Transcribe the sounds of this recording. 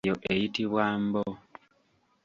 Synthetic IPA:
joʔejitiβwaːmbo

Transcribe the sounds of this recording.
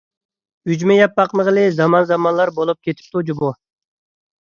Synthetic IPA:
yd͡ʒmɛjɑpːɑqnəʁəlˠɪzɑmɑnzɑmɑnlˠɑɾbolˠup̚kʲʰet̪ʰɪ̥p̚t̪ʰud͡ʒubu

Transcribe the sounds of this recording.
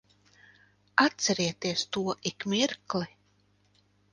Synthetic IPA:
at̪sɛɾiɛt̪iɛst̪uɔʔikmʲiɾklˠi

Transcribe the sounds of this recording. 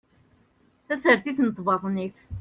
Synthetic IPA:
θæsəɾθiθnət̪ˤvɑðˤniθ

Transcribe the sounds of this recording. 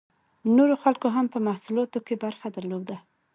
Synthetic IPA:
noɾoxalkoɦampəmahsulɑt̪okebaɾxad̪aɾlod̪a

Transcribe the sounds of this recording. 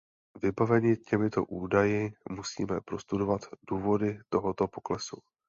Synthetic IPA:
vɪbavɛɲɪcɛmɪt̪o̞̰ʔuːdajɪmusḭːmɛpɾo̞st̪udo̞vat̪duːvo̞dɪt̪o̞ɦo̞t̪o̞po̞klɛsu

